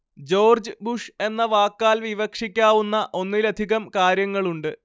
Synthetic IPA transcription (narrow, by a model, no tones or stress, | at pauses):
d͡ʑo̞ːrd͡ʑɨbuʂe̞nːɐʋaːkːaːlʋiʋɐkʂikʲːaːʋunːɐʔo̞nːilɐd̪ʱiɣɐmkaːɾjɐŋːɐɭuɳɖɨ